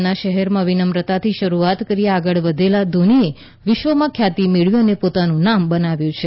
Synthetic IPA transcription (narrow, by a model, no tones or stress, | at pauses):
naʃəɦɛɾmãʋinəmɾət̪at̪ʰiʃəɾuat̪kəɾiaɡəɭʋəd̪ʱelad̪ʱonie | ʋɪʃʋəmãkʰjat̪imeɭjũənepot̪anũnambənaʋjũt͡ʃʰe